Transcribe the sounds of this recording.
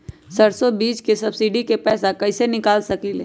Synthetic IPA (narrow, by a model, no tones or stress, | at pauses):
sɐɾsobiːt͡ʃkesɐbsiɖikepɛːsakɐɪsenɪkaːlsɐkilḛː